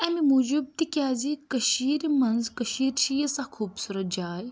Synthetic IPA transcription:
ɐmimuːd͡ʒub̚t̪ikʲjaːzikɐʃiːɾmɐnzkəʃiːɾʃijɐsãkʰuːbsuɾɐd͡ʒaːj

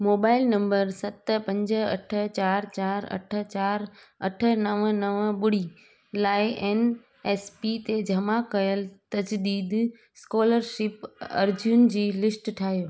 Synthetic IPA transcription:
moːbaːɪlnɐ̃mbəɾsɐt̪pɐ̃ɲd͡ʑə̆ɐ̰ʈʰə̆t͡ɕaːɾt͡ɕaːɾɐ̰ʈʰə̆t͡ɕaːɾ | ɐʈʰə̆nɐʋnɐʋɓʊɽ̤i | laːɪʔen | eːspit̪ed͡ʑʱɐmakɐjəlt̪ɐd͡ʑd̪iːd̪ | skoːləɾʃɪpɐ̰ɾd͡ʑiʊn̆d͡ʑiːlɪsʈʈʰaːɦijoː

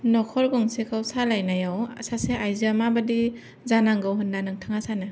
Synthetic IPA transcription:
nɔkʰɔɾɡɔŋsekʰawsalajnajawasaseʔajziamabadi | zanaŋɡawɦɯndanɯŋtʰaŋasanɯ

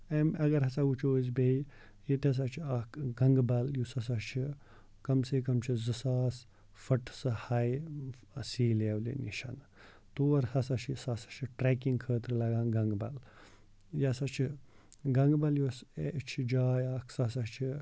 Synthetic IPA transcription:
emɐɡɐɾɦɐsaɡut͡ʃʰoːzbej | jit̪ɐs̬at͡ʃʰiakʰɡɐŋɡbɐljusɐs̬at͡ʃʰi | kɐmsekɐmt͡ʃʰizɨsaːs | fɐʈʰsɨhaj | siːleːwlḭnḭʃɐn | t̪oːɐɾsɐsaʃʰisasḁt͡ʃʰiʈɾeːkiŋɡkʰəːt̪ɾɨlɐɡãːnɡɐŋɡbɐ̰l | jasat͡ʃʰi | ɡɐŋɡbɐljuset͡ʃʰid͡ʒaːjakʰsasat͡ʃʰi

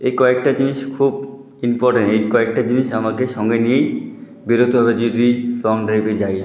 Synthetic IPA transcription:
ekɔek̚ʈad͡ʑiniʃkʰub | impɔɾʈenʈejkɔek̚ʈad͡ʑiniʃamakeʃɔŋɡenijej | biɾot̪obʱabed͡ʑod̪isɔŋɖɾejbed͡ʑaj

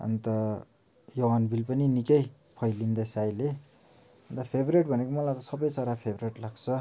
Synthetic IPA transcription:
ʌ̰nt̪ʌ | joɦanbʱilpʌninikʌj | pʰʌjlind̪ʌsajle | ʌnt̪ʌpʰebreʈ̚bʱʌnekomʌlajt̪ʌsʌbʌjt͡sʌɾapʰebreʈlaɡt͡sʰʌ

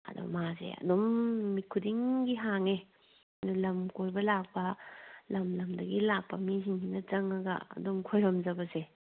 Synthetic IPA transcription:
ɐ̰dṵmazḛɐ̰dɔmːikʰudiŋɡiɦaŋe | ɐdulɐmkojbɐlak̚bɐlɐmlɐmdɐɡilak̚pːɐmiziŋinɐt͡ʃɐŋɐɡɐ̰ɐ̰dɔmkʰojɾɐmd͡ʒɐbɐze

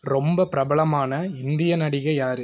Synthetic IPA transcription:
ɾɔmbɐpɪɾɐbɐɭɐmaːnɐɪnd̪ɪjɐnɐɽɪɣɐjaːɾɯ

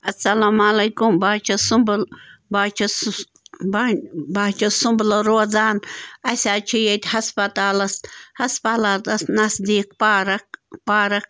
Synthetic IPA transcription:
ɐsɐlaːmalɐjkumbaːt͡ʃʰɐsumblbat͡ʃʰs | bbaːt͡ʃʰɐsʊmblɾoːzaːnɐsʲaːt͡ʃʰijet̪ʲhɐspɐt̪aːlɐshɐspɐlat̪ɐsnɐsd̪iːk̚paɾɐpaːɾɐk

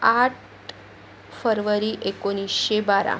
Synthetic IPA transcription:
aʈ | fəɾʋəɾiːʔekoñisɕebaɾa̰

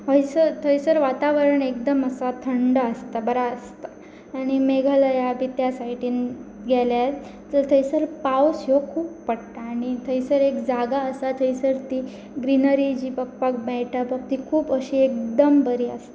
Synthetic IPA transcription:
ʋəjsəɾt̪ʰəjsəɾʋat̪aʋəɾəɳek̚d̪əməsat̪ʰəɳɖaəst̪abəɾaəst̪aː | ɽ̃imeɡʱəlajabit̪jasajʈʰiːn | ɡʱɛljat̪ | t͡sət̪ʰəjsəɾpawsjokʰuːpːəɽt̪aːɽ̃it̪ʰəisəɾekd͡zaɡaəsat̪ʰəisəɾt̪i | ɡɾinəɾid͡ʑiːpək̚pak̚bɛjʈʰapək̚t̪ikʰuːpəɕiːek̚d̪əmbəɾiːə̰st̪a

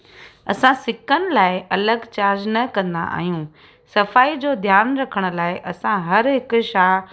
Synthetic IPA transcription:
ɐsãsɪkʰənɪ̆laːɪʔɐləɡt͡ɕaːɾd͡ʑnɐkɐ̃nd̪a̰ʔa̰ːɦijũ | sɐfaːid͡ʑoːd̪ʱjaːnɾɐkʰəɽ̃ʊ̆laːɪʔɐsãɦɐɾɦɪkʃaː

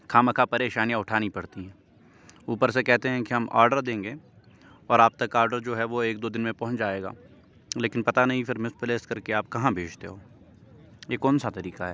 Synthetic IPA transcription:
kʰaːməkʰapɐɾeːʃaːnijãʊʈʰaːnipɐɽt̪iɦɛ̃ː | uːpəɾsekɛɦt̪eɦɛ̃kiɦɐmʔa̰ːɾɖəɾd̪ẽːŋɡeː | ɔːɾaːb̚t̪ɐkːaːɾɖəɾd͡ʒoːɦɛʋoeːk̚d̪oːd̪ɪnmẽpɐ̃ɦʊ̃t͡ʃd͡ʒaːeːɡa̰ː | leːkɪnpɐt̪anɐɦĩfɪɾmɪspɪleːskɐɾkeaːp̚kɐɦãbʱeːd͡ʒt̪eɦoː | jeːkɔːnsat̪ɐɾiːqaɦɛː

